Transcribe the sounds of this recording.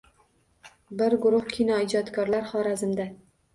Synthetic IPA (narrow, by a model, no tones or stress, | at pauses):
bɪɾɡʊɾʊhkʲʰinɒɪd͡ʒɒt̪kʰɒɾlaɾχɒɾazɪmd̪a